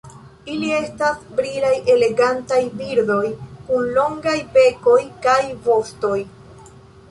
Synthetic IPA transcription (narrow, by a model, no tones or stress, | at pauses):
ilie̞stasbɾilajʔe̞le̞ɡantajbiɾdo̞jkunlo̞ŋɡajbe̞ko̞jkajvo̞sto̞j